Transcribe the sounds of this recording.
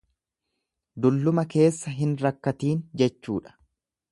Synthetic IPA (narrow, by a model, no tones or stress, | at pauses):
d̪ʊlːʊmɐke̞ːsːɐɦɪnɾɐkːɐt̪iːnd͡ʒɛt͡ʃːuːᶑɐ̥